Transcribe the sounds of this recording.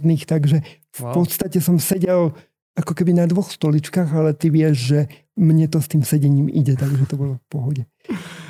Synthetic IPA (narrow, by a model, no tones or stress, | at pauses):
d̪niːxt̪aɡʒɛ | fpɔt̪st̪acɛsɔmsɛɟɛl | akɔkɛbinad̪ʋɔxst̪ɔlit͡ʃkaːɣalɛt̪iʋɪɛʒʒɛ | mɲɛt̪ɔst̪iːmsɛɟɛɲiːmḭɟɛt̪aɡʒɛt̪ɔbɔlɔfpɔɦɔɟɛ